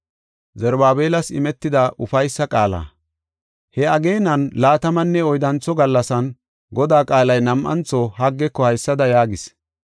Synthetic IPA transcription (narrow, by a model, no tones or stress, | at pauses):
zɛɾbaːbeːlɐsɪmɛt̪ːɪd̪ɐʔʊfɐjsːɐkʼaːla̰ː | hɛɐɡe̞ːnɐnlaːt̪ɐmɐnːɛɔjd̪ɐnt͡sːɔɡɐlːɐsɐn | ɡɔd̪aːkʼaːlɐjnɐmʔɐ̰nt͡sɔhɐɡːɛkːɔhɐjsːɐd̪ɐjaːɡɪs